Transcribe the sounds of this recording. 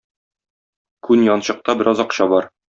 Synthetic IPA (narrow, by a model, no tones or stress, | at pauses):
kʉnjɒnɕɤ̆q̚t̪ɑbɘ̆ɾʔɒzɒqɕɑbɒɾ